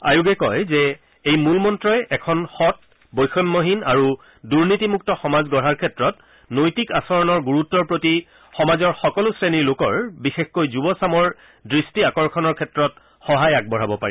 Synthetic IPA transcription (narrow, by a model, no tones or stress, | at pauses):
a̰juɡɛkɔjzɛ | ejmulmɔntɹɔjɛʔɛkʰɔnxɔt̚ | bɔjxʰɔnmoɦinaɹu | duɹnitimuk̚tɔxɔmazɡɔɹaɹkʰɛtɹɔt | nojtikasɔɹɔnɔɹɡuɹutːɔɹpɹoti | xɔmazɔɹxɔkɔlusɹeniɹlokɔɹbixexkojzubɔsamɔɹ | dɹistiakɔɹkʰɔnɔɹkʰɛtɹɔt̚ | xɔɦajak̚bɔɹ̤abɔpa̰ɹḭ